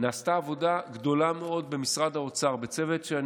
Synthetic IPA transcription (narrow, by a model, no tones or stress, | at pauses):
naːst̪aːvo̞daɡd̪o̞lame̞o̞d̪̚be̞misʁad̪haot͡saʁbet͡se̞vetʃean